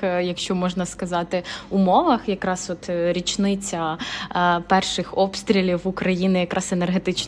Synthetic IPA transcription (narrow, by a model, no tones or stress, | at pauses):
jɐkʃt͡ʃɔmɔʒnɐskɐzɑt̪ɪumɔʋɐxjɐkɾɑsɔt̪ɾʲit͡ʃnɪt͡sʲːɐ | pɛrʃɪxɔpst̪ɾʲilʲiwukɾɐjinɪjɐkɾʔɑsenerɦet̪ɪt͡ʃ